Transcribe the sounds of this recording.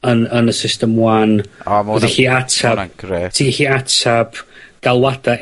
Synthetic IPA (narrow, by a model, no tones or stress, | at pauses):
ənənəsɪstəmwanəðiɬiːatʰḁtʰiɬiːatʰab̥ɡ̥alˠwada